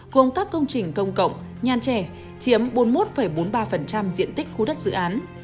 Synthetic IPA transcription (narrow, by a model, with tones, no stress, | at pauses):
ɣo˨˩mkaː˦˥kːə˧wŋ͡mt͡ɕï˨˩ŋ̟kə˧wŋ͡mkə̰˧˨wŋ͡m | ɲaː˨˩nt͡ɕɛ˧˩ | t͡ɕi˨˦əmɓo˨˦nmo˦˥t̚fə˧˩jɓo˨˦nɓaː˧fə˨˩nt͡ɕa˧mzḭ˧˨ənt̪ï˦˥k̟̚xu˧ɗə˦˥t̚zɨ̰˧˨ʔaː˨˦n